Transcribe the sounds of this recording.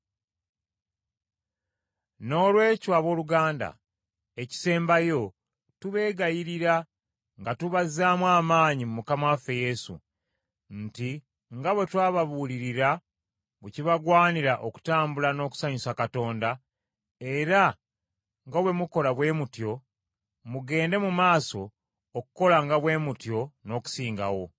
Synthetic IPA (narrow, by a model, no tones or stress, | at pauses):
no̞ːlwe̞ːcwaβo̞ːluɡaːnda̰ | eci̥se̞ːmbajo̞ | tuβe̞ːɡajiɾiɾa | ŋɡatuβazːaːmwaːmaːɲimumukamafe̞je̞sṵ | n̩ti | ŋɡaβwe̞twaːβaβuːliɾiɾa | βeciβaɡwaːniɾaʔoku̥taːmbulano̞ːku̥saɲusakato̞ːnda | e̞ɾa | ŋɡaβwe̞muko̞laβwe̞ːmutjo̞ | muɡe̞ːnde̞mumaːso̞ː | kuko̞laŋɡaβwe̞ːmutjo̞no̞ku̥siːŋɡa̰wo̞